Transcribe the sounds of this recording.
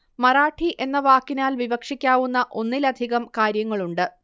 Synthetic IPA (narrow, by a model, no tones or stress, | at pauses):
mɐraːʈʰiʔe̞nːɐʋaːkːinaːlʋibɐkʂikʲːaːʋunːɐʔo̞nːilɐd̪ʱiɣɐmkaːɾjɐŋːɐɭuɳɖɨ